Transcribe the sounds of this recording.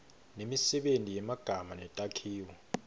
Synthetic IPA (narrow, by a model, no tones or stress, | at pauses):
nemisɛɓentʼijɛmaɡ̥ʱamanɛtʼakʰiːwɔ